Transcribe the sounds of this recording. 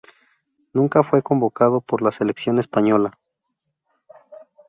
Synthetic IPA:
nũŋkafwe̞ko̞mbo̞kað̞o̞po̞ɾlase̞leksjo̞ne̞spaɲo̞la

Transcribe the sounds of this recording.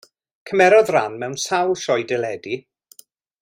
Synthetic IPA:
kʰəmɛɾɔðranmɛwnsawlˠʃɔjdɛlɛdi

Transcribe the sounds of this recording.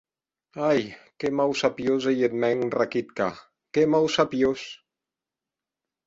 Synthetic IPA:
ajkemawsapjozejet̪mɛŋrakit̪ka | kemawsapjos

